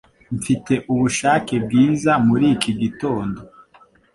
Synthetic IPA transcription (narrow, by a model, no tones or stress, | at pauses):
ɱfite̞ʔuβuʃaːkeb̚ɡiːzamuɾiːkiɡito̞ːndo̞